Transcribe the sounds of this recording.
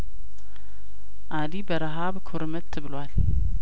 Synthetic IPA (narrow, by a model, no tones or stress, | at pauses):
ʔad̪ibəɾaɦaβkʰoɾmət̪ʰːɨβɨlwal